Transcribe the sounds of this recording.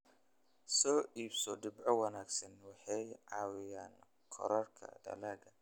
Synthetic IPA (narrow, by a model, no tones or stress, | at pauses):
sɔːʔiːbsɔd̪ɪbʕɔwɑnaːɡsɐnwɑħɑjʕɑːwɪjaːn | kʰɔ̰ɾɐrkʰɐ̰d̪ɐ̰laːɡɐ